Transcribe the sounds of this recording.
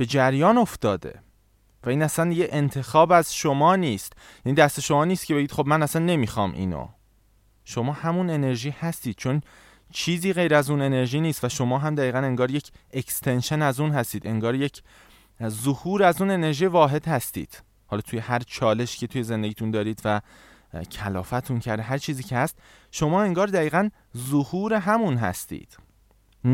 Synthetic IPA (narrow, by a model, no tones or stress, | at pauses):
b̥e̞d͡ʒæɾjɒːno̞ft̪ɒːd̪e̞̰ | væiːnæsænd̪jeʔent̪ʰe̞xɒːbæzʃo̞mɒːniːst̪jæniːd̪æst̪e̞ʃo̞mɒːniːst̪̚cʰe̞be̞ɟiːd̪xobmænæsænːe̞miːxɒ̰ːmʔḭːno̰ | ʃo̞mɒːhæmune̞ne̞ɾʒiːhæst̪iːd̪̥̚t͡ʃʰo̞n | t͡ʃʰiːziːɣe̞jɾæzuːne̞ne̞ɾʒiːniːst̪væʃo̞mɒːɦæmd̪æɣiːɣæne̞ŋɡɒːɾje̞cʰekst̪ʰe̞nʃenæzuːnɦæst̪iːd̪e̞ŋɡɒːɾje̞cʰ | zohuːɾæzuːne̞ne̞ɾʒiːvɒːɦe̞d̪̥hæst̪ḭːd̪̥ | hɒːlɒːt̪ʰuːje̞hæɾt͡ʃʰɒːle̞ʃcʰe̞t̪ʰuːje̞ze̞nd̪e̞ɟiːt̪ʰund̪ɒːɾiːd̪væ | cʰælɒ̰ːfæt̪ʰuncʰæɾd̪eɦæɾt͡ʃʰiːziːcʰehæst̪ | ʃo̞mɒːe̞ŋɡɒːɾd̪æiːɣæn | zohuːɾe̞ɦæmunɦæ̰st̪ḭːd̪̥